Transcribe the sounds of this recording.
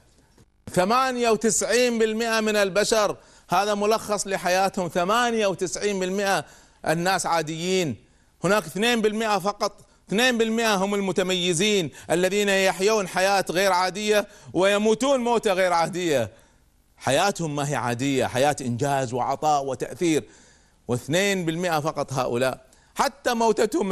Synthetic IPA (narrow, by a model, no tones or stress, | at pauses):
θamaːnjawt̪ɪsʕiːnbɪlmɪʔamɪnɪlbaʃɑɾˤ | haːðamʊlɑxːɑsˤlɪħajaːt̪hʊmθamaːnjawt̪ɪsʕiːnbɪlmɪʔa | ʔɪ̰nːaːsʕaːd̪ɪjːiːn | hʊnaːkɪθneːnbɪlmɪʔafɑqɑt̪ˤ | θneːnbɪlmɪʔaɦʊmɪlmʊt̪amajːɪziːnʔalːaðiːnajaħjuːnħajaːt̪ɣeːɾʕaːd̪ɪjːawɪjamuːt̪uːnmoːt̪aɣeːɾʕaːd̪ɪjːa | ħajaːt̪hʊmːaɦiːʕa̰ːd̪ɪjːa̰ħajaːt̪ʔɪnd͡ʒaːzwɪʕɑ̰t̪ˤɑːʔwɪt̪a̰ʔθiːɾ | wɪθneːnbɪlmɪʔafɑqɑt̪ˤɦa̰ːʔʊ̰laːʔ | ħat̪ːamawt̪at̪hʊm